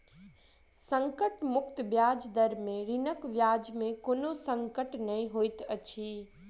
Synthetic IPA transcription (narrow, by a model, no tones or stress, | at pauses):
sə̃ŋkəʈmʊkt̪bjaːd͡ʒd̪əɾmẽɾinəkʋjaːd͡ʒmẽkoːnosə̃ŋkəʈnɐĩɦoːit̪ət͡ʃʰi